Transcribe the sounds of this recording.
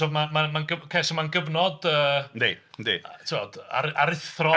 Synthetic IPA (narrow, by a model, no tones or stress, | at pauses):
ɔmamamanɡəkʰesɔmanɡəvnɔdəːḛndḛtʰɪɔd̥a̰ɾaɾɪθrɔ